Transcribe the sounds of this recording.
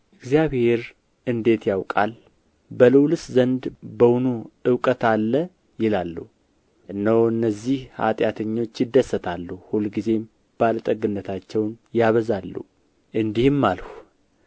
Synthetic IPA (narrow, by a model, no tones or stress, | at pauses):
ʔɨɡzijaβhe̞ɾ | ʔɨnd̪e̞t̪jawkʼa̰l | bəlɨwlɨszənd̪bəwunuɨwkʼət̪alːə | jɪlalːuh | ʔɨnːəwɨnːəzːihha̰t̪ʼjat̪ʰəɲːo̞t͡ʃːjɪd̪ːəsːət̪ʰalːuhulɡize̞ | b̥alt̪ʼəɡɨnːət̪ʰat͡ʃːɛwnjaβəzalːṵ | ʔɨnd̪ihɨmːalhu